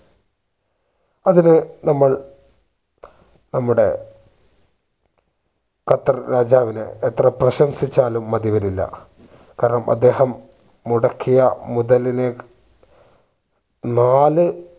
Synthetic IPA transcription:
ɐðinɨnɐmːɐɭ | nɐmːuɽe̞̰ | kɐt̪ːɐrɾaːd͡ʑaːʋinɨ̰et̪rɐprɐɕɐmsit͡ɕːaːlumːɐðiʋɐɾilːɐ̰ | kaːɾɐɳɐmɐ̰d̪ːe̞ːhɐmː | uɽɐkʰːijɐ̰muðɐline | naːlɨ

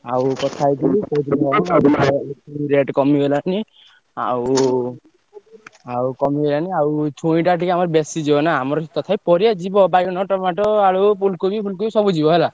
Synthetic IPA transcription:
awkɔt̪ʰajk̪ilikɔd̪ilauaɾtʰaakuiɾeʈkɔmiɦelani | a̰w | awkɔmielaniawt͡ʃʰuĩʈaʈikamɔɾɔbesid͡ʒibɔnaːmɔɾɔt̪ɔt̪ʰajpɔɾijad͡ʒibɔbajkɔnɔʈɔmaʈɔaɭupʰulkubipʰulkobisɔbud͡ʒibɔɦela

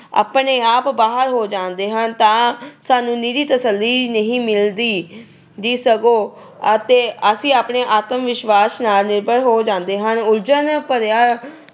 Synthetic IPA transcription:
a̰ːpɳeːaːpbaːɦəɾɦoːd͡ʒãːnd̪eːɦənt̪ãːsaːnũːniːd̪iːt̪əsəlːiːnəɦĩːmɪld̪iː | d͡ʒiːsəɡoː | ət̪eːəsĩːaːpɳeːʔaːt̪əmʋɪʃʋaːsnaːlnɪɾbəɽɦoːd͡ʒãːnd̪eːɦənʊɾd͡ʒənpəɾjaː

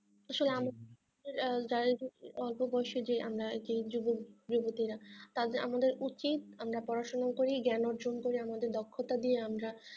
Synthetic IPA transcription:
aʃoleama | d̪eɾd͡ʑaɾed͡ʒɔlpobɔjʃed͡ʑea̰mɾaed͡ʒid͡ʑubod͡ʑubot̪iɾat̪ad̪eɾa̰mad̪eɾut͡ɕit̪amɾapɔɾaʃonakoɾiɡɛnɔɾd͡ʑonkoɾiamad̪eɾd̪ɔkʰːot̪ad̪ieamɾa

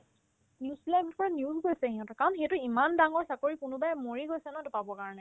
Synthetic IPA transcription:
njiuzbilabɔpɔɹanjuzɡojsɛhĩɦɔ̃tɔkaɹɔnxejtʊimandaŋɔɹsakoɹikʊnʊbajmoɹiɡojsɛnɔtʊpabɔkaɹɔnɛ

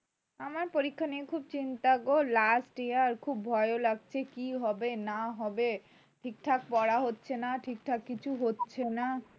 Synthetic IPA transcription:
amaɾpoɾikʰːaniekʰub̚t͡ɕint̪aɡolasʈejaɾkʰubːʱɔeolaɡ̚t͡ɕʰekiɦɔbenaɦɔbe | ʈʰik̚ʈʰak̚pɔɽaɦotːɕʰenaʈʰik̚ʈʰakːit͡ɕʰuɦotːɕʰena

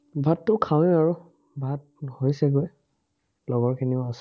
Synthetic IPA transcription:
bʱatːʊkʰaw̃aɹu | bʱat̚hojsɛɡoj | lɔɡɔɹkʰiniʊas

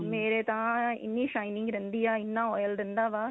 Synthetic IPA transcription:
meːɾeːt̪ãːɪ̰nːiːʂɐɪnɪŋɡɾɪnd̪ɪjaːɪnːãːɔjɐlɾɪnd̪ãːʋaː

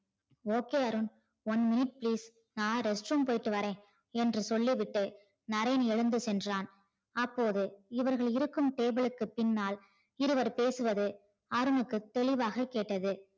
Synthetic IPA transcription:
oːkeːɐɾɯn | ʋɐnmɪnɪʈ̚pliːs | naːɾɛsʈɾuːmpoːjɪʈːɯʋɐɾẽː | ɛndrɯsɔlːiʋɪʈːɯ | nɐɾɐjnɛɻɯnd̪ɯsɛndraːn | ɐpːoːðɯɪʋɐɾɣɐɭɪɾɯkːɯmʈeːbɯɭɯkːɯpɪnːaːl | ɪɾɯʋɐɾpeːsɯʋɐðɯ | ɐɾɯnɯkːɯt̪ːɛɭɪʋaːɣɐkːeːʈːɐðɯ

